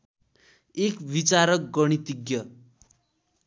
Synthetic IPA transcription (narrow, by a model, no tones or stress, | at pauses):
ekbit͡saɾʌk̚ɡʌɽ̃it̪iɡjʌ